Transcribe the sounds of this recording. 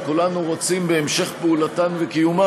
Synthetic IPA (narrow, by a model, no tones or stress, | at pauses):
kulanuʁot͡simbeːmʃe̞χpeulatanvekijuma